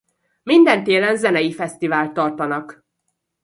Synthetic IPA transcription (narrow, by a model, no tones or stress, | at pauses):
mind̪ɛnt̪eːlɛnzɛnɛjifɛst̪ivaːlt̪ːɒrt̪ɒnɒk